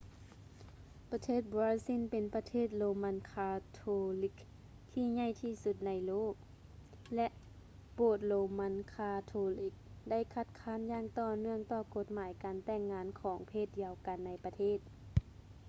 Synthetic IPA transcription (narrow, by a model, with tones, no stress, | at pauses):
pa˧t̪ʰeː˥˩t̪̚bɔː˧i˧si˧˥˨npe˨npa˧t̪ʰeː˥˩t̪̬̚lo˨˧ma˧˥nkʰaː˧t̪ʰoː˧li˧˦k̚ | t̪ʰiː˧˨ɲa˧˥˩jt̪ʰiː˧˩su˧˥t̪̚na˧˥jloː˥˩k̚ | lɛ˧ʔ | poː˧˩t̪̚lo˨˧ma˧˥nkʰaː˧t̪ʰoː˧li˧˦k̚da˥˩jkʰa˧t̪̚kʰaː˧˥˨njaː˧˩ŋt̪ɔː˧nɯ˧˥˩əŋt̪ɔː˧˩ko˧˥t̪̚maː˨˦jkaː˨nt̪ɛː˧˩ŋːaː˧˥nkʰɔː˩˦ŋpʰeː˧˩t̪̚jiː˧ə˧wka˨nːa˧jpa˧t̪ʰeː˥˩t̪̚